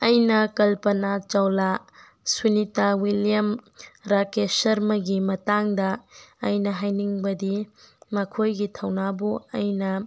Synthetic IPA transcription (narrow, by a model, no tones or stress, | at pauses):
ɐjnɐkɐlpɐnat͡ʃɐwla | sunitawilijɐmɾakesɐɾmɐɡimɐtaŋdɐːjnɐɦajniŋbɐdimɐkʰojɡitʰɐwnabuɐjnɐ